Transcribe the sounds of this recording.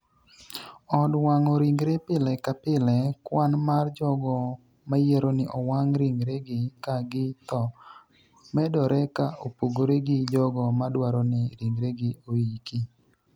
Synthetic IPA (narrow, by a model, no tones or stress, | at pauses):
ɔdwaŋɔɾiŋɡɾepɪlɛkapɪlɛkwanmard͡ʒɔɡɔ | majeɾonɪʔɔwaŋɾiŋɡɾeɡɪkaɡɪt̪ɔ | mɛdɔɾɛkaʔopoɡoɾeɡɪd͡ʒɔɡɔmadwaɾɔnɪɾiŋɡɾeɡɪoiki